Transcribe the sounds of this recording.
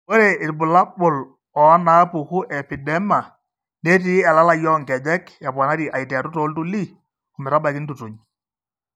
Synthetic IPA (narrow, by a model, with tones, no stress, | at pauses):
wo˦ɾe˨ɪ˨ɾbʊ˨la˦bʊ˨l | ɔ˨a˦na˨˦pu˨ku˦ʔɛ˨pi˨dɛ˦ma˨ | nɛ˦ti˦ɛ˨la˦la˦˨jɔ˦ŋkɛ˨d͡ʒɛ˦kja˨pwa˨na˦ɾi˨ʔa˨i˨tɛ˨a˨tu˦to˨˦ltu˦li˦ | ɔ˨mɛ˨ɾa˦ba˨kɪ˦ntu˨tu˨ɲ